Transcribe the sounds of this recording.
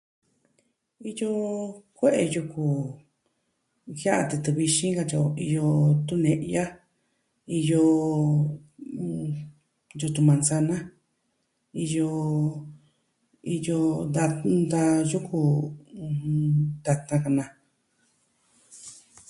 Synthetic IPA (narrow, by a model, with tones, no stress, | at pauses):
i˧jo˦kʷe˦ʔe˧ju˧ku˧˨ | hja˦ʔa˧t̪ɨ˧t̪u˧βi˧ʃĩ˦ŋɡa˧t͡ʃo˧i˧jo˧t̪u˦nẽ˨ʔja˦ | i˧jo˧ | ju˧t̪u˧mã˨nsa˧nã˦ | i˧jo˧ | i˧jo˧d̪a˧d̪a˧ju˦kʰu˧˨ | d̪a˧t̪ã˧ka˧nã˧